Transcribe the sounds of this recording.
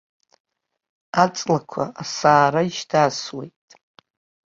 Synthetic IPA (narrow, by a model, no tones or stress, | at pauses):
at͡sʼlakʷʰa̰asaːɾaiʃdʰaswejtʼ